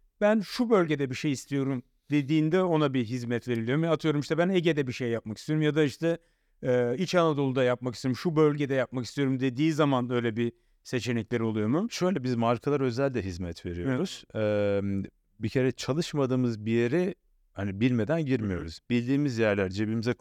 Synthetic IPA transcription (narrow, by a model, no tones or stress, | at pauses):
bænʃubø̞lʲɟe̞d̪ɛbiʃe̞jist̪ʰijo̞ɾum | d̪e̞d̪iːnd̪ɛo̞nabiɦizmɛt̪ve̞ɾilʲiomɛat̪ʰɯjo̞ɾumiʃt̪ʰɛbæneɟed̪ɛbiʃejːap̚maki̥st̪ʰioɾumjad̪aiʃt̪ʰɛː | it͡ʃanˠad̪o̞lˠud̪ajap̚makisijoumʃubø̞lʲɟe̞d̪ɛjap̚makist̪ʰijo̞ɾumd̪e̞d̪iːzamanø̞jlʲɛbi | se̞t͡ʃʰe̞nɛclʲeɾo̞lˠujo̞muʃø̞jlʲɛbizmaɾkʰalˠaɾø̞zælʲd̪ɛɦizmɛt̪ʰve̞ɾijo̞̰ɾuz̥ɛm | bicʰe̞ɾɛt͡ʃʰalˠɯʃmad̪ɯːmɯzbijeɾɛ | hanibilʲme̞d̪ænɟiɾmijo̰ɾṵz̥bilʲd̪iːmizjæɾlʲæɾd͡ʒebimizɛ